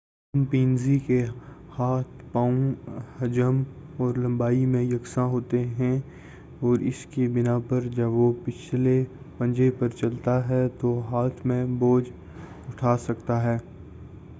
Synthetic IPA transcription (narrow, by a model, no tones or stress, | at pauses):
mpĩːnzikehaːt̪ʰpaːõhɐd͡ʒəmɔːɾlɐ̃mbaːimẽjɐksãɦoːt̪eɦɛ̃ | ɔːɾɪskibɪnapɐɾd͡ʒɐbʋopɪt͡ʃʰle | pɐ̃ɲd͡ʒepɐɾt͡ʃɐlt̪aɦɛt̪oɦaːt̪ʰmẽboːd͡ʒ | ʊʈʰaːsɐkt̪aɦɛː